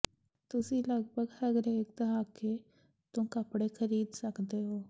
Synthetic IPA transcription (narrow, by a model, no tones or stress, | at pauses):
t̪ʊsĩːləɡbʱəɡhəɡɾeɪk̚d̪əɦaːke | t̪ʊ̃mkəpɽekʰəɾiːd̪səkd̪eːɦoː